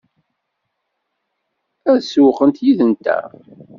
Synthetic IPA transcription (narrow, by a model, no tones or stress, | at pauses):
æðsuqənt̪jiðənt̪æ̰